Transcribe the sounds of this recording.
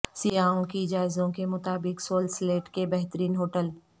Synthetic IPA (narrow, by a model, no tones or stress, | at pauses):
sijaːõkid͡ʒaːɪzõkemʊt̪aːbɪksoːlsleːʈkebɛɦt̪əɾiːnɦoːʈəl